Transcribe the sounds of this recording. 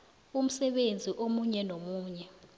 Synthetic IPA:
um̩sɛɓend͡zʱiʔomuɲɛnomuːɲɛ

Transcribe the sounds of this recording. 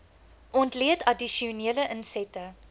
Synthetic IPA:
ʔɔntliətɐdiʃiuniələʔənsɛtə

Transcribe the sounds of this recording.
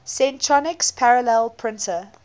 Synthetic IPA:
sẽntʰɹɔnɪkspʰaɹəlɛlˠpʰɹɪ̃ntʰə

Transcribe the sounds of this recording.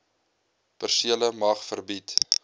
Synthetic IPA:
pərsiələmɑχfərbit

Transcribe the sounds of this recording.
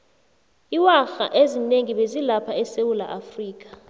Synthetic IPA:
iwaxa̰ʔezineŋiɓezilapʰaɛsewula̰ʔafriːk̬ʼḁ

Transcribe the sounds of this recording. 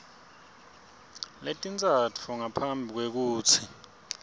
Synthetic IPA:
letʼint͡sʼat͡fʰuŋapʰambʱik̬wek̬uːt͡sʰi

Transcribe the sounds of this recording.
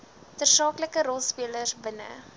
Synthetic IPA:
tərsɑːkləkəɾɔlˠspiələrsbənə̰

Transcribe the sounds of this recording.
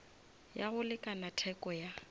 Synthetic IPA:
jaɣʊlɪkʼanatʰɛkʼɔja

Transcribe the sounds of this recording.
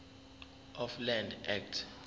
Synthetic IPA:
ɔflɛ̃ndɛk̚tʰ

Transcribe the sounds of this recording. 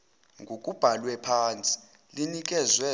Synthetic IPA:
ŋɡʱokʼub̥ʱalwɛpʰaːnt͡sʼi̥ | linik̬ʼɛzwɛ

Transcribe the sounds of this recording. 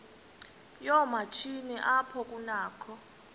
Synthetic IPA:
jɔmat͡ʃʰinɛʔapʰɔk̬ʼunaːkʰɔ

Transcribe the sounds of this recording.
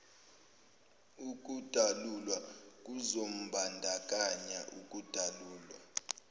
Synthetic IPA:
uk̬ʼud̥ʱalulwak̬ʼuzom̩bʱandʱak̬ʼaɲaʔukʼud̥ʱaluːlwa

